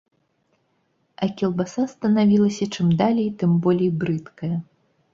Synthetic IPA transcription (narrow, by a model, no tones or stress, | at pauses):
ɐkʲɛlˠbasast̪ɐnavʲilˠɐsʲɐt͡ʂɨmd̪alʲɛjt̪ɨmbɔlʲijbɾɨt̪kɐjɐ